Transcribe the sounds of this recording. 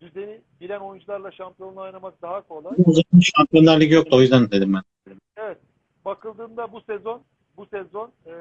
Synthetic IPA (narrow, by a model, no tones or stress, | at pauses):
d̪yzeni | bilʲæno̞jund͡ʒulˠaɾlˠaʃampijo̞najnˠamak̚d̪aɦakʰo̞lˠauuzainʃampʰjo̞aɾlʲikcjo̞k̚t̪ʰao̞jyzd̪ænd̪d̪ed̪imbæneɾim | evɛt̪̚ | bakʰɯlˠd̪ɯːnd̪abusezo̞n | busɛzo̞n